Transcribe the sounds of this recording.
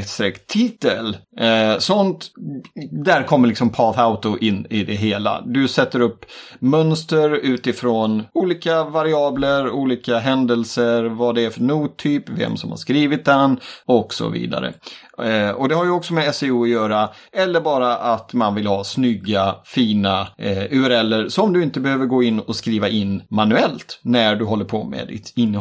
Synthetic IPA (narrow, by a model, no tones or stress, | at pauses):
t̪st̪ɾɛkt̪ʰiːt̪ːəlsɔnt̪ | d̪æɾkʰɔmːəɾlɪksɔmpʰɑːθaʊt̪ʊʔɪnːɪd̪ɛɦeːla̰d̪ɵsɛt̪ːəɾɵpːmœnst̪əɾʉ̟ːt̪ɪfɾoːnuːliːkavaɾɪɑːbləɾuːliːkaɦɛnd̪ɛlsəɾvad̪ɛæɾfœɳuːt̪ʰyːpvɛ̰msɔmha̰ɾʂkɾiːvɪt̪̚d̪ɛnɔksɔ̰vḭːd̪a̰ɾə̰ | ɔd̪ɛhaɾjɵɔksɔmɛɛsɛuːɔjœːɾa | ɛlːəɾbɑːɾaʔat̪manvɪlhɑːsnʏɡːafiːnaʉːɛɾɛlːəɾsɔmd̪ɵɪnt̪əbɛhøːvəɾɡoːɪnːɔskɾiːvaʔɪnːmanʉɛlt̪næɖɵɦɔlːəɾpʰɔmɛ̰d̪ɪ̰t̪ɪnː